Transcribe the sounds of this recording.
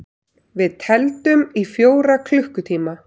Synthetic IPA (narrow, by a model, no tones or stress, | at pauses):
vɪðt̪ʰɛlt̪ʏmifjoːwɾakʰlʏhkʏt̪ʰiːma